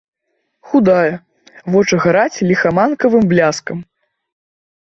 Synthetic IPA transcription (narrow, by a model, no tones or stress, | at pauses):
xud̪ajɐ | vɔt͡ʂɐɣaɾat͡sʲlʲixamankɐvɨmblʲaskɐm